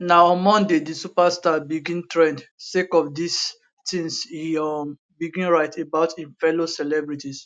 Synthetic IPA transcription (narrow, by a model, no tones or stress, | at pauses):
naɔ̃nmɔ̃ndedisupastabiɡĩntɹɛ̃ndsekɔfdis | tĩnshiɔm | biɡĩnɹaɪtebaʊtĩnfɛlosɛlɛbɹitis